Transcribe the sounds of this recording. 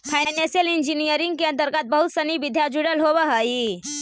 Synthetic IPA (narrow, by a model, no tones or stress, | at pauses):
fʰajjnesijəlind͡ʒinijəɾiŋɡkiənt̪əɾkat̪̚bəɦut̪səniʋid̪ʱjad͡ʒuɽəlɦoʋəɦəji